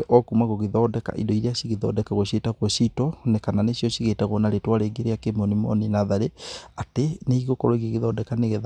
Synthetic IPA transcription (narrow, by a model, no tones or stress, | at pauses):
ʔɔkumaɣoɣeðɔdɛka̰ʔḭdɔiɾeaɕiɣeðɔdɛkaɣoɕetakwɔɕitɔnekananeɕjɔɕiɣetaɣwɔnaɾetwaɾeɡeɾeakemonimɔ̰ninaðaɾeateneiɣokɔɾɔiɣeɣeðɔdɛkaneɣɛð